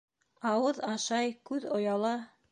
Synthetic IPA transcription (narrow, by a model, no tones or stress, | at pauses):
ɑwɤðɑʃɑjkʉðŏjɑlˠɑ